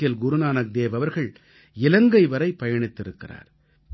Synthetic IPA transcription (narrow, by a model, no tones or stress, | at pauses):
ɪjɐlɡʊɾʊnaːnɐk̚d̪eːʋɐʋɐɾɣɐɭ | ɪlɐŋɡɐɪʋɐɾɐɪpːɐjɐɳɪt̪ːɪɾɯkːɪra̰ːɾ